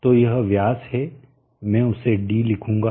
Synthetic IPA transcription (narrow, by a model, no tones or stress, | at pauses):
t̪ojɐɦʋjaːshɛ | mɛ̃ːʊseɖiːlɪkʰũːŋɡa